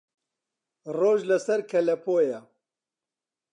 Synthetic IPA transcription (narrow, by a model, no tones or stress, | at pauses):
roːʒlɐsɐɾkʰɐlɐpʰoːjɐ